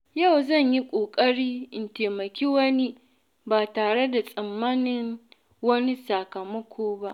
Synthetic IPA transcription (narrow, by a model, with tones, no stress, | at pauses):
ja˦˨wzɐ˦˨ɲji˦kʷʼoː˨kʼɐ˦ɽiː˦ʔɪ˨nteː˨mɐ˨kʲiː˦wɐ˦ni˦ | baː˨taː˨ɽe˦da˨sʼɐ˨mːaː˦nɪ˦ŋ | wɐ˦ni˦sa˨kɐ˨mɐ˦kʷʰoː˦ba˦ʔ